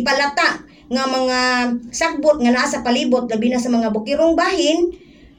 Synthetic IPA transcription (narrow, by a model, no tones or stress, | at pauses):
palat̪aʔ | ŋamaŋasak̚bʊt̪̚ŋanasapalibʊt̪̚ɡabinasamaŋabʊkɪɾʊŋbaːhɪn